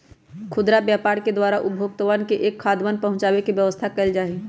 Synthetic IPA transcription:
kʰʊd̪ɾabjaːpaːɾked̪waːɾaʔʊbʱjoːɡ̚t̪əʋaːnkeʔeːkʰːaːd̪maːnpɐɦʊ̃t͡ʃaːwekiʋjəʋəst̪ʰakɐld͡ʒaːe

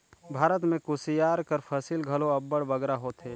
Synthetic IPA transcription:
bʱaːɾət̪mẽkʊsijaːɾkəɾpʰəsilɡʱɐloɐbːəɽʋəɡɾaɦoːt̪eː

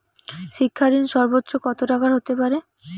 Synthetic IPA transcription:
ʃikʰːaɾinʃɔɾbot̪ːɾokɔt̪oʈakaɾɦot̪epaɾe

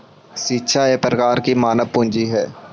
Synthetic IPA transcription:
ʃiːtːʃʰaepɾəkaːɾkimaːnəʋpʊ̃nd͡ʒiɦɛː

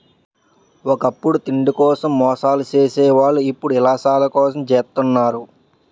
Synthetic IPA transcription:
ɔkɐpːuɽut̪iɳɖikɔːsɐmːɔːʂaːlut͡ʃeːsɛːʋaːɭːuipːuɽuilaːsaːlɐkɔːs̬ɐmt͡ʃeːt̪unːaːɾu

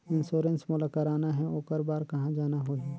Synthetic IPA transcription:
ɪnʃoːɾə̃nsmʊləkəɾaːnaɦɛoːkəɾbaːɾkɐɦãd͡ʒaːnaɦoːd͡ʒiː

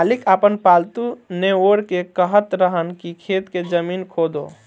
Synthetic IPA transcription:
lɪkapənpaːlt̪uneoːɾkekəɦət̪ɾəɦənkikʰeːt̪ked͡ʒəmiːnkʰoːd̪o̰ː

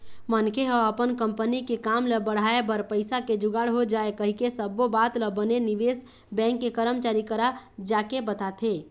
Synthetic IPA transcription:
mənkʰeɦəəpənkəmpənikekaːmləbəɽ̤aːebəɾpəɪsaked͡ʒʊɡaɽɦod͡ʒaːekəɦikesəbobaːt̪ləbəneniʋeːs | bɛ̃ːŋkːekəɾəmt͡ʃaːɾikəɾad͡ʒaːkebət̪at̪ʰe

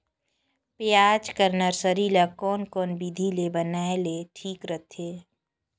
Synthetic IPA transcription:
pɪaːd͡ʒkəɾnaɾsəɾiːlakɔːnkɔːnbid̪ʱilebənaːeleʈʰiːkɾət̪ʰeː

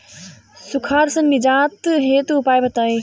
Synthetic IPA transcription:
sʊkʰaːɾsɐ̃nɪd͡ʒaːt̪ɦeːt̪ʊpaːjbʱɐt̪aːi

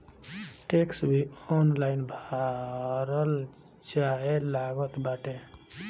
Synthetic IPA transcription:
ʈeksbʱiɔnlainbʱaɾəl | d͡ʒaelaɡət̪baʈe

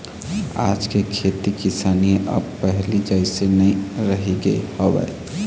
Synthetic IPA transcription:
a̰d͡ʒkekʰet̪ikisaniə̰bpəɦlid͡ʒaɪsenəiɾəɦiɡḛhobɛ̰

